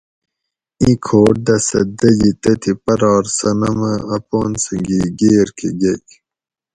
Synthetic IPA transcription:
ikʰoːʈ̚d̪ɐsɐ̰d̪ɐd͡ʑit̪ɐt̪ʰipɐɾɑːɾsɐnɐmɐɐpoːnsɨŋɡiɡeːɾkʰeɡek

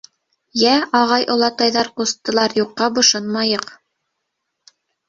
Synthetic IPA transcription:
jæɑʁɑjʔŏlˠɑt̪ɑjðɑɾqust̪ːɤ̆lˠɑɾjuqːɑbŏʃɤnmɑjɤq

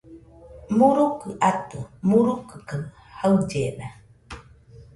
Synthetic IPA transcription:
muɾukəʔat̪umuɾukəkə | hawd͡ʒena

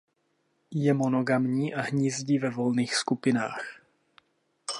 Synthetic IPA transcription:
jɛmonoɡamɲiːʔaɦɲiːzɟiːvɛvo̞lniːxskupɪnaːx

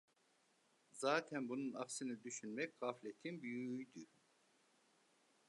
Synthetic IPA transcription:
zaːt̪ʰænbununɑksɯnɯd̪yʃynmɛcʁaflʲet̪ʰinbyjyjd̪y

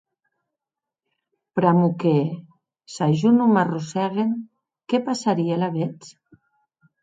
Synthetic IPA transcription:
pɾamuke | saʒunumarusɛɣen | kepasaɾielaβet͡s

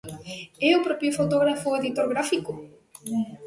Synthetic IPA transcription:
ɛʊpɾɔpjʊfot̪oɣɾafʊeðit̪oɾɣɾafikʊ

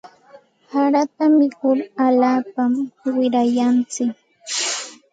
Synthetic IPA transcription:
haɾat̪amɪkʊɾaʎaːpamwɪɾajant͡sɪk

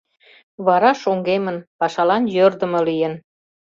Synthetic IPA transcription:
βɑɾɑʃoŋɡemənpɑʃɑlɑnjørd̪ə̆mɤ̆lijən

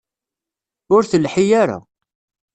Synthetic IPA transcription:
ʊɾθəlħijaɾa̰

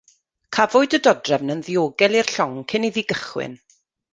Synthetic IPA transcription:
kʰavʊɨdədɔdrɛvnənðioːɡɛlˠir̥ɬɔŋkʰɪniðiɡəχwɪ̰n

